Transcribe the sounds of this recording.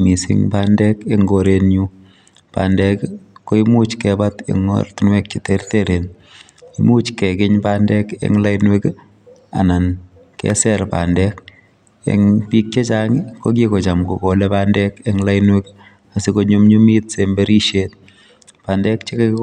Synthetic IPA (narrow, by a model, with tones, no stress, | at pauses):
mi˨sɪ̰ŋpandɛkeŋɡo˨ɾenɲu˦ | pa̰˨ndɛkko˦i˦mu˦t͡ʃkɛbatḛ˨ŋɔ̰rtnwɛ˦k̚t͡ʃiterteɾe˨n | i˦mu˦t͡ʃkɛ˨kɪ˦ɲpandɛ˦kḛ˦ŋla˦jnwe˦k | a̰˨na˨n | kɛ̰˦sɛɾpa̰˨ndɛk | ḛŋpi˦k̚t͡ʃe˦t͡ʃa˦ŋiko˦k̬iko˨t͡ʃa˨mko̰˨ko˨lɛpaː˦ndɛkeŋla˦inwe˦k | a˨siko˦ɲumɲu˦mi˦tsembe˦ɾi˦ʃet̚ | pa˨ndɛ˦k̚t͡ʃe˦k